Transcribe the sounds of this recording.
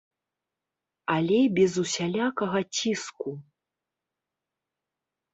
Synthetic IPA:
alʲɛjbʲɛzusʲalʲakɐɣɐt͡sʲisku

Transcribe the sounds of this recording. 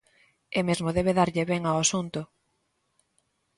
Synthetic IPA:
emezmoðeβeðaɾʎeβeŋaasunt̪ʊ

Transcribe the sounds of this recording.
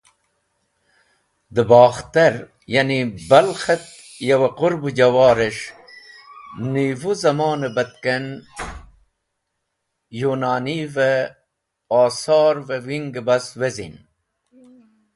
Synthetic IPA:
d̪əbɑːxt̪ɐɾ | jɐnibɐlxet̪ | jɐwɐquɾbud͡ʑɐwɑːɾeʂ | nivuzɐmɑːnebɐt̪ken | junaːnive | aːsɑːɾvewiŋɡebɐswezḭn

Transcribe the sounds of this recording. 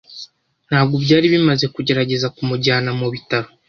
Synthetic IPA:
n̥haːbɡo̞bɟaːɾiβimaze̞kuɟe̞ɾaɟe̞zakumuɟaːnamuβitaɾo

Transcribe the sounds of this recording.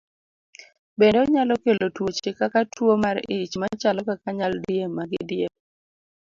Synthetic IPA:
bendeɔɲalɔkelotwot͡ʃekakatʰwomaɾɪ̰it͡ʃmat͡ʃalɔkakaɲaldijemːaɡɪ̰djeb̚

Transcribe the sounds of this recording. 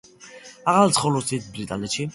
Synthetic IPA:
aʁalt̪sʰχɔlɔsʰit̪ʰbɾit̪ʼa̰nɛt̪ʃi

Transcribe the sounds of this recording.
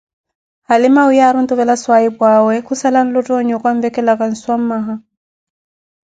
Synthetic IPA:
halɪmaʊjaɾʊn̩t̪ʼʊβɛlaswaibwawɛkʰusalan̩lɔtʼɔɲɔkʼwaɱ̩vɛkʼɛlakʼan̩swam̩maɦa

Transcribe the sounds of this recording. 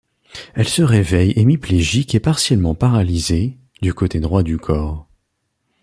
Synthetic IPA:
ɛlsəʁevɛjemipleʒikepaʁsjɛlmɑ̃paʁalize | d̪ykot̪ed̪ʁwad̪ykʰɔːʁ

